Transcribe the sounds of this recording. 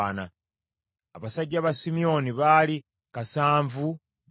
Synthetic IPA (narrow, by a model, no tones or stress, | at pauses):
na | a̰βasaɟːaβasimio̞niβali | kasaːɱvu